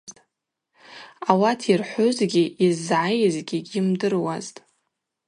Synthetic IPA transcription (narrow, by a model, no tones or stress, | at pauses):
tʼ | awatʰirħʷʊzɡʲiizʕajzɡʲiɡʲimdɨrwaztʼ